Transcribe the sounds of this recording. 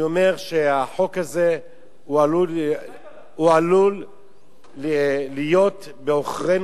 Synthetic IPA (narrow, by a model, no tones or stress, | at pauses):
ome̞ʁʃeaħo̞khaze | ualu | ualul | lijo̞t̪ | beoχʁen